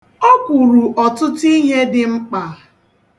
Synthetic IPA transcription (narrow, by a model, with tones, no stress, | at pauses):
ɔ˦kʷu˨ɾu˨ʔɔ˨tʊ˦ti˦ɦe˦dɪ˨ŋ͡m̩˦k͡pa˨